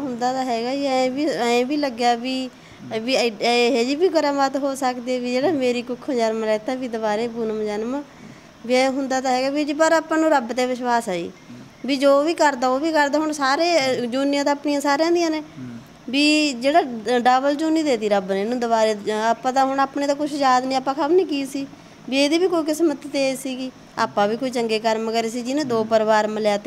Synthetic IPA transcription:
ɦʊnd̪aːt̪aːɦɛːɡaːĩːbiẽːbiːləɡjaːbiː | ʋiːɦeːd͡ʒiːbiːɡəɾmat̪ɦoːsəkd̪eeːʋiːd͡ʒeːɽaːmeːɾiːkʊkʰːd͡ʒənmɾɛːt̪aːbiːd̪əbaːɾeːbunəmd͡ʒənmː | biːɛ̃ɦʊnd̪aːt̪aːɦɛːɡaːbiːd͡ʒipəɾaːpãːnũːɾəbt̪eːʋɪʃʋaːsaːḭː | biːd͡ʒoːʋiːkəɾd̪aːoːʋiːkəɾd̪aːɦʊɳsaːɾeːd͡ʒunɪjãːt̪aːpnijãːsaːɾãːd̪ɪjãːneː | biːd͡ʒeːɽaːɖaːbəld͡ʒoːnĩːd̪eːt̪iːɾəbnẽːnũːd̪əβaːɾeːaːpːãːt̪ãːɦʊɳaːpneːt̪ãːkʊt͡ʃʰjaːd̪nĩːaːpːãːkʰəmnĩːkiːsiː | biːeːd̪iːbiːkoːiːkɪsmət̪t̪eːsiːɡiː | a̰ːpːãːʋiːkoːiːt͡ʃəŋɡeːkəɾmkəɾeːsiːd͡ʒɪnẽːd̪oːpəɾʋaːɾməljaːt̪eː

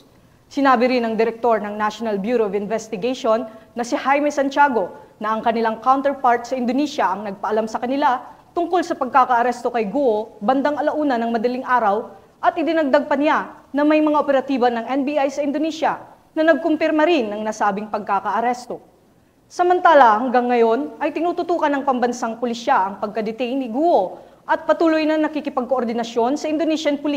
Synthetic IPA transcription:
sɪnaːbɪɾɪnɐŋd̪ɪɾɛk̚t̪o̞ɹnɐŋnaʃonɐlbjuːɾoɐvɪnvɛst̪ɪɡɛjʃonːɐsɪhajmɛsɐnt͡ʃaːɡo̞nɐʔɐŋkɐnɪlaŋkawnt̪ɛɹpaɹt̪̚sɐɪnd̪oniːʃɐʔɐŋnɐɡ̚pɐʔɐlamsɐkɐnɪlat̪ʊŋkolsɐpɐɡ̚kaːkɐʔɐɾɛst̪o̞kɐjɡuʔobɐnd̪aŋɐlɐʔuːnɐnɐŋmɐd̪ɐliŋʔaːɾɐw | ʔɐt̪ʔɪd̪ɪnɐɡ̚d̪aɡ̚pɐnɪanɐmɐjmɐŋaʔopɛɾɐt̪iːbɐnɐŋʔɛnbiʔajsɐɪnd̪oniːʃɐ | nɐnɐɡ̚kʊmpɪɾmɐɾɪnːɐŋnɐsaːbɪŋpɐɡ̚kakɐʔɐɾɛst̪o̞ | sɐmɐnt̪aːlɐhɐŋɡaŋːɐjo̞nʔɐjt̪ɪnuːt̪ʊt̪uːkɐnːɐŋpɐmbɐnsaŋpʊliʃaʔɐŋpɐɡ̚kɐd̪ɪt̪ɛjnɪɡuʔo̞ | ʔɐt̪̚pɐt̪uːlʊjnɐŋnɐkikɪpɐɡ̚koʔoɾd̪ɪnɐʃjo̞nsɐʔɪnd̪oniʃɐnpʊli

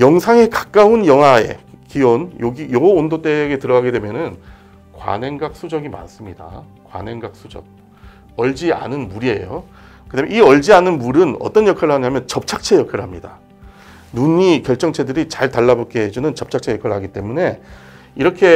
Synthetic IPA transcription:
jʌŋsʰaŋe̞kḁk͈aunjʌŋɦae̞̰kionjoɡijooondot͈e̞ɡe̞tɯɾʌɡaɡedwemjʌnɯn | kwa̰nɦe̞ŋɡak̚s͈ud͡ʑʌɡima̰ns͈ɯmɲida̰ | kwa̰nɦe̞ŋɡak̚s͈ud͡ʑʌ̰k̚ | ʌɭd͡ʑia̰nɯnmuɾie̞jo | kɯtamjiʌɭd͡ʑianɯnmuɾɯnʌ̰t͈ʌnjʌkʰaɾɯɭɦaɲamjʌnt͡ɕʌp̚t͡ɕʰak̚t͡ɕʰe̞jʌkʰaɾɯɭɦamɲida | nuɲikjʌɭt͡ɕ͈ʌŋt͡ɕʰe̞dɯɾit͡ɕaɭtaɭːabok͈eɦed͡ʑunɯnt͡ɕʌp̚t͡ɕʰak̚t͡ɕʰe̞jʌkʰaɾɭɦaɡit͈e̞mune̞ | iɾʌkʰe̞

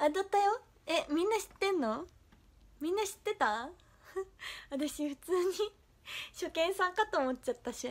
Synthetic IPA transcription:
ad̪at̪ːajo | emʲĩnːaɕi̥t̪ːẽ̞nːo̞ | mʲĩnːaɕi̥t̪ːe̞t̪a | at̪aɕiɸɯ̟̥t͡sɨːɲ̟i | ɕo̞kẽ̞ɰ̃sãŋkat̪o̞ːmot͡ɕ̚t͡ɕːat̪ːaɕi

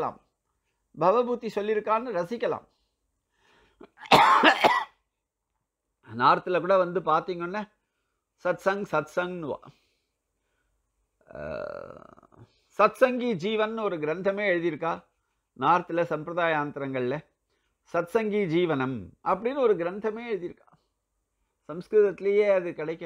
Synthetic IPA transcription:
la̰ːm | bʱɐʋɐbuːt̪ːisɔlːɪɾɯkːaːnːɯɾɐsɪkʲːɐla̰ːm | naːɾɐt̪ːɯlɐkuːɽɐʋɐnd̪ɯpaːɾt̪iːŋɡɐɔnːɐ | sɐt̪sɐŋsɐt̪sɐŋɡnʋa̰ː | sɐt̪sɐŋɡid͡ʒiːʋɐnːɔɾɯɡɪɾɐnd̪ʱɐmeːɛɻɯðɪjɪɾɯkːaː | naːɾɐt̪ːɯlɐsɐmpɾɐðaːjaːnt̪ɪɾɐŋɡɐɭlɐ | sɐt̪sɐŋɡid͡ʒiːʋɐnɐmʔɐpːɐɽɪnːɯɔɾɯɡɪɾɐnd̪ʱɐmeːɛɻɯðɪɾɯkːa̰ː | sɐmskɾɯt̪ɐt̪ːɪlɐjeːɐðɯkɐɽɐɪkːɐ

